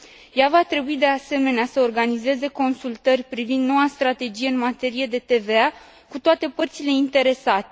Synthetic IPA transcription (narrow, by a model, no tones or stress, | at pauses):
javat̪ɾe̞buid̪e̞ase̞me̞neasəorɡanize̞ze̞ko̞nsult̪ərʲpɾivind̪no̞wast̪ɾat̪e̞d͡ʒijeɨnmat̪e̞ɾije̞d̪e̞t̪e̞ve̞a | kut̪oat̪e̞pərt̪sile̞int̪e̞ɾe̞sat̪e